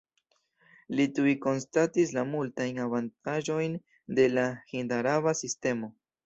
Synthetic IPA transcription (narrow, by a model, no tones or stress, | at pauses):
lit̪uiko̞nst̪at̪islamult̪ajnaβant̪aʒo̞jn | d̪e̞laxind̪aɾaβasist̪e̞mo̞